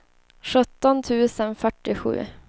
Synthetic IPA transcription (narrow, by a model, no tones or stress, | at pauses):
ʂɵt̪ːɔnt̪ʰʉ̟ːsənfœʈːɪɧʉ̟̰ː